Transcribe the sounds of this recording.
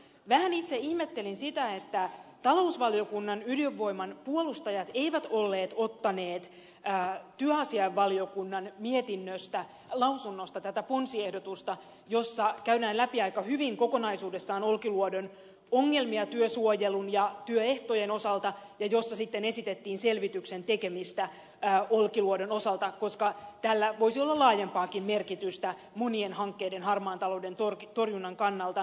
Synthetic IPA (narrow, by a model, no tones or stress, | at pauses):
ʋæhænit̪seihmet̪ːe̞linsit̪æe̞t̪ːæt̪ɑlo̞usʋɑlio̞kunːɑnylijøʋːo̞jmɑnpuolust̪ɑjɑt̪e̞jʋæt̪o̞lːe̞ːt̪o̞t̪ːɑne̞ːt̪ː | t̪yøɑsiɑeʋːɑlio̞kunːɑnmiet̪inːøst̪æ | lɑwsunːost̪ɑt̪æt̪æponsiehdo̞t̪ust̪ɑ | jo̞sːɑkæyɾæːnlæpiɑjkɑhyʋiŋko̞ko̞nɑjsuːde̞sːɑːno̞lkiluodo̞n | oŋːe̞lmiɑt̪yøsuojelunjɑt̪yøe̞ht̪ojeno̞sɑlt̪ɑjɑjo̞sːɑsit̪ːene̞sit̪et̪ːiːnse̞lʋit̪yksent̪eke̞mist̪æː | olkiluodo̞no̞sɑlt̪ɑko̞skɑt̪ælːæʋoisiolːɑlɑːjempɑːkimme̞rkit̪yst̪æ | mo̞nienhɑŋkːeːdenhɑrmɑːnt̪ɑlo̞wde̞nt̪ort̪o̞rjunːɑŋkɑnːɑlt̪ɑ